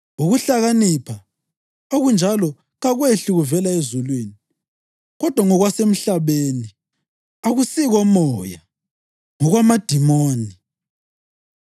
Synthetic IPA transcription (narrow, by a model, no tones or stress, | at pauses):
oɣuɬaɣanipʰa | oɣund͡ʒʱalɔ | ɣaɣweɬuɣuvɛlaezulweːni | ɣɔd̥ʱwaŋɔɣwasem̩ɬaβeːni | aɣusiɣɔmɔja | ŋɔɣwamad̥ʱimoːni